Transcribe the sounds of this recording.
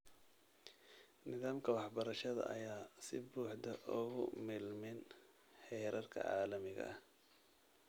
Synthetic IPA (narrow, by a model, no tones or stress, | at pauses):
nɪðaːmkʰɐwɑħbɐɾɐʃɐðɐ̰ʔɐjaːsɪbuːħd̪ɐʔʊɣʊ̰mɪlmɪn | ħɛːɾɐrkʰɐ̰ʕɑ̰ːlɐmɪɣɐ̰ʔɐh